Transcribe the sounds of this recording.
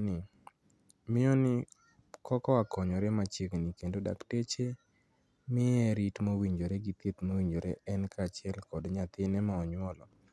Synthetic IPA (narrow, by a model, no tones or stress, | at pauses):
nɪ | mɪɔnɪ | kʰɔkɔakɔɲɔɾɛmat͡ʃeknikendoda̰ktet͡ʃe | mɪɛɾitmowiɲd͡ʒoɾeɡit̪et̪mowiɲd͡ʒoɾeʔɛnkaːt͡ʃɪɛlkɔdɲat̪ɪnɛmaɔɲwɔlɔ